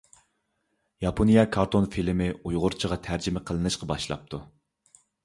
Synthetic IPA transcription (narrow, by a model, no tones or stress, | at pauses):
jɑpʰonijɑkʰɑɾt̪ʰonfilɪmɪujʁʊɾt͡ʃʰəʁɑt̪ʰæɾd͡ʒɪmɛqʰəlˠɨnɨʃqʰɑbɑʃlˠɑ̰p̚t̪ʰu